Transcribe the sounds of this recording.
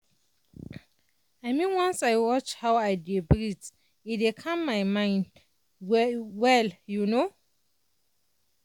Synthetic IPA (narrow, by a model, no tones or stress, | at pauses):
aɪmĩnwɔ̃nsajwɔt͡ʃhawajdebɹit | idekʰãmːajmãɪ̃nd | wwɛljuno